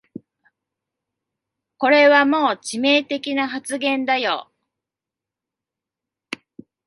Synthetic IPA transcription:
ko̞ɾe̞βamo̞ːt͡ɕime̞ːt̪e̞kʲinaɦat͡sɨɡẽ̞nd̪ajo̰

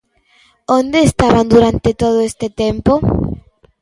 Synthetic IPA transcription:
ond̪eːst̪aβand̪uɾant̪et̪oðoest̪et̪empo

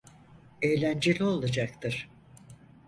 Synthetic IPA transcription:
ejlʲænd͡ʒelʲio̞lˠad͡ʒak̚t̪ʰɯɾ̥

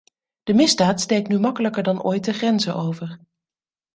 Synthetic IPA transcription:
d̥əmɪzdaːtstejk̚nymɑkələkəɹdɑnʔɔjt̚dəχrɛnzəʔowvəɹ

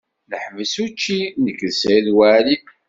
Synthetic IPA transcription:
ləħməsut͡ʃːinəkːlsðwali

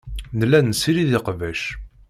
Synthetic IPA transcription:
nəlːænsiɾiðɪqvæʃ

